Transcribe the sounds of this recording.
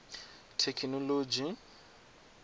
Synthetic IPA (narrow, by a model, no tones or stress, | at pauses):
tʰekʰinɔlod͡ʒi